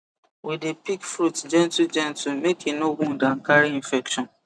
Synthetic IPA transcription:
wedepikfɾutd͡ʒɛ̃ntud͡ʒɛ̃ntumekʰinoɡũn̩dãŋ̩kaɾiĩnfɛkʃɔ̃n

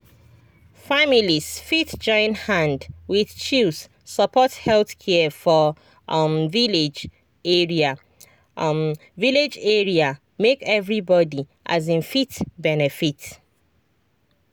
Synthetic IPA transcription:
familisfiθd͡ʒɔ̃ɪ̃nhãndwiθt͡ʃis | səpʰɔthɛlθkʰɛfɔ | mviled͡ʒ | ɛɹia | viled͡ʒɛɹia | mekɛvɹibɔdi | ʔa̰zĩnfitbɛnɛfit

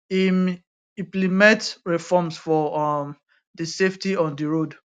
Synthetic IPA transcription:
im | ĩplimɛ̃tɹifɔmsfɔm | diseftiɔ̃ndiɹod

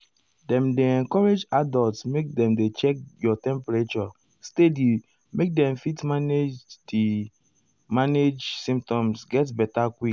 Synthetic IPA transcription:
dɛ̃mdeɛ̃ŋkɔɹed͡ʒadɔltsmek̚dɛ̃mdet͡ʃɛk̚jɔtɛ̃mpɛɹet͡ʃɔ | stedi | mek̚dɛ̃mfitmaned͡ʒdi | maned͡ʒsĩmp̚tɔ̃msɡɛtbɛtakʷwi

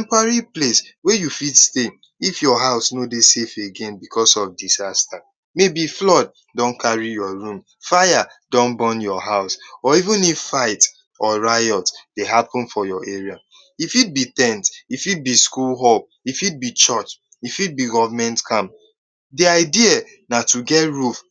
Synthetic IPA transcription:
ɛ̃mpaɹipleswɛjufitste | ifjɔɦaʊsnodesefeɡẽnbikʰɔsɔfdizasta | mebiflɔd̚ | dɔ̃nkʰaɹijɔɹũm | faja | dɔ̃nbɔ̃njɔɦaʊsɔivũniffaɪt | ɔɹajɔtd̥eɦapʰɔ̃nfɔjɔʔeɹia | ifit̚bit̪ɛ̃ntifit̚biskulɦɔl | ifit̚bit͡ʃɔt͡ʃ | ifit̚biɡɔvamɛ̃ntkʰãm | diaɪdia | natuɡɛtɹuf

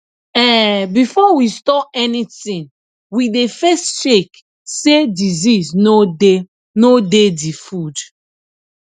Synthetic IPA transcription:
ɛ̃bifɔwistɔpɛnitĩn | widefɛstʃek | sediziznode | nodedifud

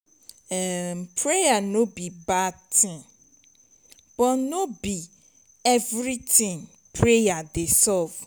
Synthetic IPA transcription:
ɛmpʰɾejanõbibatʰɪ̃ | bɔnobi | ɛvɾitʰĩŋ | pʰɾejadesɔv̥

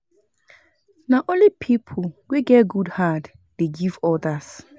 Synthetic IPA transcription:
naʔõnlipʰipʰolweɡɛtɡudhad | d̥eɡivɔdas

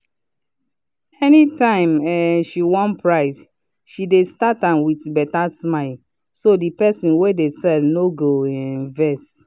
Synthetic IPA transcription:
ɛnitãɪ̃mɛʃiwɔ̃npʰɹaɪs | ʃidestatãmwitbɛtasmaɪl | sodipɛsĩnwedesɛlnoɡoɛ̃nvɛst

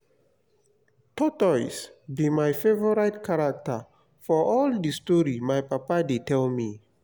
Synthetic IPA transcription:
tɔtɔsbimajfevɔɹajtkʰaɹak̚tə̰ | fɔʔɔldistɔɹimajpapadetɛlmi

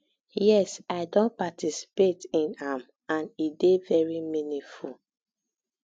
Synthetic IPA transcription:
jɛsaɪdõnpatisi̥petĩnãm | ãnidevɛɹiminĩful

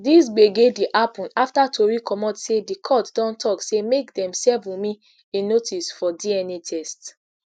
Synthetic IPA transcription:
disɡ͡beɡediʔapɔ̃naftatʰoɹikʰɔmɔ̃tsedikʰɔtdɔ̃ntʰɔksemekdɛ̃msɛvũmĩ | enotʰisfɔdiɛnetʰɛst

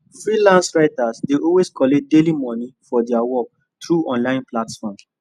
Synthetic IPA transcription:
fɹilãnsɹaɪtasdeɔlweskʰɔledelimɔnifɔdɛawɔk̚ | t̪ɹuɔ̃nlãɪ̃nplatfɔ̃m

